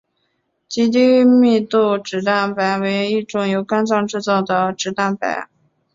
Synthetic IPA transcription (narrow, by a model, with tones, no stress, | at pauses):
t͡ɕi˥t̪̬i˥˧mi˥˧t̪u˥˩ʈ͡ʂɻ̩˨˩˥t̪a˥˩npa˧˥ɪwe˧˥ɪ˧i˥˩ʈ͡ʂʊ˧˥ŋjo˧˥ʊka˥nt͡sɑ˥˧ŋʈ͡ʂɻ̩˥˧t͡sɑ˥˩ʊd̪ə˩ʈ͡ʂɻ̩˧˥t̪a˥˩npa̰˧˥˦ɪ